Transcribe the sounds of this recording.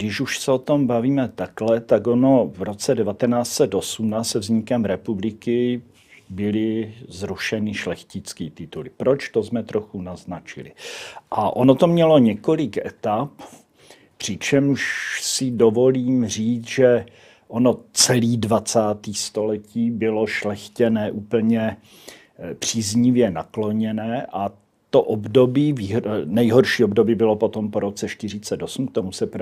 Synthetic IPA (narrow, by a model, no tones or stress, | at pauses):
ɡdɪʃuʃsɛot̪o̞mbaviːmɛt̪aklɛt̪ako̞no̞vɾo̞t͡sɛdɛvat̪ɛnaːt͡sɛt̪ʔo̞sumnasɛvzɲɪkɛmɾɛpublɪkɪ | bɪlɪzɾuʃɛnɪʃlɛxcɪt͡skiːt̪ɪt̪ulɪpɾo̞t͡ʃt̪o̞zmɛt̪ɾo̞xunaznat͡ʃɪ̰lɪ̰ʔaʔo̞not̪omɲɛlo̞ɲɛko̞lɪkʔɛ̰t̪ap | pr̝̥ɪt͡ʃɛmʃsɪdovo̞liːmr̝iːt͡sʒɛ | ʔono̞t͡sɛliːdvat͡saːt̪iːst̪o̞lɛciːbɪlo̞ʃlɛxcɛnɛːʔuːpl̩ɲɛ | pr̝̥iːzɲɪvjɛnaklo̞ɲɛnɛːʔa | t̪oʔobdo̞biːviːɦnɛjɦo̞ɾʃiːobdo̞biːbɪlo̞po̞t̪o̞mpo̞ɾo̞t͡sɛʃt̪ɪr̝ɪt͡sɛt̪o̞sm̩k̚t̪omusɛp